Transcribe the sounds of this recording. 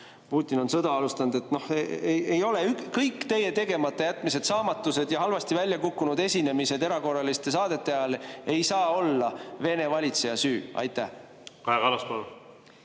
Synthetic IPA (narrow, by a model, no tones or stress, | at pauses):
puːt̪ʲːˑino̞nsɤ̞d̪ɑɑlust̪ɑnd̪e̞t̪ːno̞heee̞jo̞leykkɤjkːˑt̪e̞je̞t̪e̞ɡ̥e̞mɑt̪ˑːe̞jæt̪ːˑmise̞d̪̥sɑːmɑt̪ːˑuse̞d̪̥jɑɦɑlvɑst̪ivælʲjɑkukːunud̪e̞sʲine̞mise̞d̪e̞ɾɑko̞rːɑlist̪e̞sɑːd̪̥e̞t̪ːˑe̞ɑjɑle̞jsɑːo̞lːɑve̞ne̞vɑlʲit̪se̞jɑsyːʔɑ̰jt̪ˑːæh | kɑeɡɑlɑspɑlu